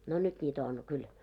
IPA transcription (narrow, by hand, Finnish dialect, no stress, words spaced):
no nyt nʲiːtæ on kyl